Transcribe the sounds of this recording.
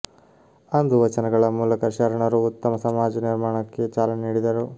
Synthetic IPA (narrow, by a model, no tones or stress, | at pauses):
ɐnd̪uʋɐt͡ʃɐnɐɡɐɭɐmuːlɐkɐʃɐɾɐɳɐɾuːt̪ːɐmɐsɐmaːd͡ʒɐniɾmaːɳɐkːe̞t͡ʃaːlɐnniːɽid̪ɐɾu